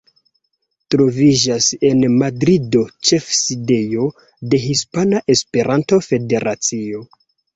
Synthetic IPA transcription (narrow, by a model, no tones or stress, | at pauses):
tɾo̞vid͡ʒase̞nmadɾido̞t͡ʃe̞fside̞jo̞ | de̞ɦispanaʔe̞spe̞ɾanto̞fe̞de̞ɾʔat͡sio̞